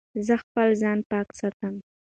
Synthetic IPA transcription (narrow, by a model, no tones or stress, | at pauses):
zəxpəlzɑnpɑksat̪əm